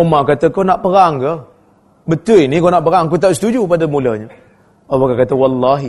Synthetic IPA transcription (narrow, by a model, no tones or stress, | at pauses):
omakat̪əkanaʔpəɾaŋkə | bət̪uinikownaʔpəɾaŋk̬ut̪aʔsə̥t̪ud͡ʒupadəmuləɲa | obakakat̪əwɑlːaɦi